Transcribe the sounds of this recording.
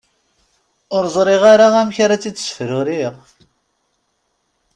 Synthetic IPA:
ʊɾzˤɾˤiʁaɾaʁæmçaɾat͡sːi̥ːsfɾʊɾiʁ

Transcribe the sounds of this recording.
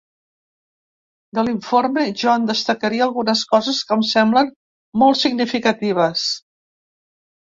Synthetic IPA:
d̪əliɱformeʒɔənd̪əst̪əkəɾiəːlˠɣunəskɔzəskəmsɛmblən | mɔlˠt̪siɡnifikət̪iβ̞əs

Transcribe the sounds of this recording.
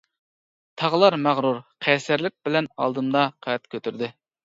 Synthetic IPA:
t̪ʰɑʁəlˠɑɾmæʁɾuɾqʰɛsæɾlɪk̚ʲbɪlɛnɑ̰lˠd̪ɨmd̪ɑqʰæt̪̚kʲʰøt̪ʰyɾd̪ɪ

